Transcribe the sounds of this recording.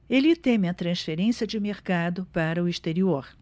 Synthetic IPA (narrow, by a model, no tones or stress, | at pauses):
elɪt̪ẽm̃ɐt̪ɾɐ̃sfeɾẽsiɐd͡ʒɪmeɾkad̪ʊpaɾɐʊist̪eɾioɾ